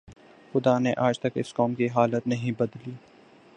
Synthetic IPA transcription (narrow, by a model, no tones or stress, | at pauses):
xʊd̪aneʔaːd͡ʒt̪ɐkɪ̰skɔːmkiɦaːlət̪nɐɦĩbɐd̪liː